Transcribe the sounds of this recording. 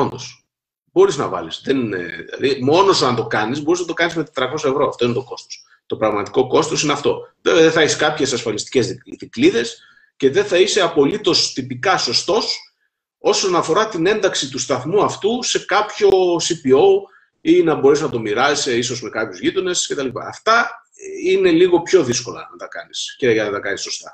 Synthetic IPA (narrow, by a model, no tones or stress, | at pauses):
ond̪o̞s | bo̞ɾiznɐ̰vɐ̰lisðen̰ðḭlɐ̰ðimo̞no̞so̞ɐnt̪o̞kɐnizbo̞ɾiznɐt̪o̞kɐnizme̞t̪et̪ɾɐko̞sɐe̞vɾo̞ɐft̪o̞inet̪oko̞st̪o̥s | t̪o̞pɾɐɣmɐt̪i̥ko̞ko̞st̪o̞sineɐft̪o̞̰eðeθɐeçeskɐpçe̞sɐsfɐlist̪i̥ce̞ziðikliðe̞s | ce̞ðe̞θɐise̞ɐpo̞lit̪o̞st̪ipikɐso̞st̪o̞s | o̞so̞nɐfo̞ɾɐt̪ine̞nd̪ɐksit̪ust̪ɐθmuɐft̪use̞kɐpço̞sipio̞w | inɐbo̞ɾesnɐt̪o̞miɾɐseiso̞zme̞kɐpçuzʝit̪o̞ne̞scet̪ɐliipɐ̰ːft̪ɐ | ine̞liɣo̞pço̞ðisko̞lɐ̰nɐt̪ɐkɐnisceʝɐnɐt̪ɐkɐniso̞st̪ɐ